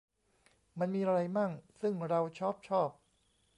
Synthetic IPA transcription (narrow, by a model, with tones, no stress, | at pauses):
ma˧nmiː˧ʔa˧ɾa˧jmaː˥˩k̚sɯ˥˩ŋɾa˧wt͡ɕʰɔː˥˩p̚t͡ɕʰɔː˥˩p̚